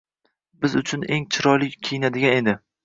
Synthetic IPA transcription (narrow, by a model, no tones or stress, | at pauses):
bɪzʊt͡ʃʰʊneŋt͡ʃʰɪɾɒjlɪejɪnad̪ɪɡʲane̞d̪ɪ